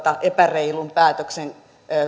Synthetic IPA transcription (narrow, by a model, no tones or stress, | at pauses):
t̪ɑʔepæreilumpæːt̪øksenː